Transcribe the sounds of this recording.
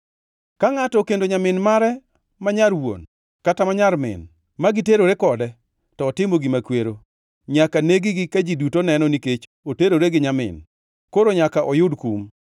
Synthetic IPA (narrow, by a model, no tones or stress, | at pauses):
kaŋatɔkendoɲamɪnmaɾɛ | maɲaɾwo̰n | katamaɲaɾmɪ̰n | maɡiteɾoɾekɔdɛ | tɔːtɪmoɡimakweɾo | ɲakaneɡiɡikad͡ʒidutonɛnɔniket͡ʃooteɾoɾeɡɪɲamɪ̰n | koɾoɲakaʔɔjʊdkum